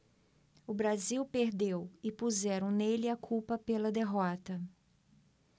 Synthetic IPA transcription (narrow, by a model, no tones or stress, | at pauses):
ʊbɾaziwpeɾd̪ewɪpuzɛɾɐ̃w̃nelɪakʰupɐpelɐd̪eɦɔt̪ɐ